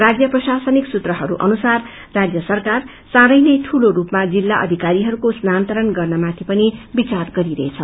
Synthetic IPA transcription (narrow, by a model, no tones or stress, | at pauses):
rad͡zjʌprʌsasʌniksut̪rʌɦʌɾuʔʌ̰nusarː | ad͡zjʌsʌrkar | sãɾʌjnʌjʈʰuloɾupmad͡zilːaʔʌ̰d̪ʱikaɾiɦʌɾukosnant̪ʌɾʌnɡʌrnʌmat̪ʰipʌnibit͡sarɡʌɾiɾʌet͡sʰʌ